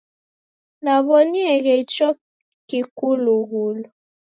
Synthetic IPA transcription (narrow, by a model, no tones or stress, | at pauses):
naβɔniɛɣɛt͡ʃɔ | kikuluɣulu